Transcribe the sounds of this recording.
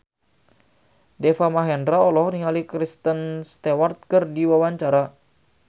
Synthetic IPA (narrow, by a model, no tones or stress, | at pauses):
dɛfamaɦɛndɾaɔlɔhniŋalikɾist̪ənst̪ewart̪̚kərdiwawaɲt͡ʃaɾa